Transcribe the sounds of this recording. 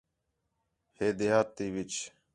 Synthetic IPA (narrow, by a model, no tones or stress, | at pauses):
heːd̪eɦaːt̪ːiːʋɪt͡ʃ